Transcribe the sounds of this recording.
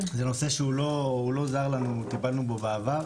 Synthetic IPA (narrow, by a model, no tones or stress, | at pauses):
ze̞no̞se̞ʃeulo̞ulo̞zaʁlanut̪ipalnubobaːvaʁ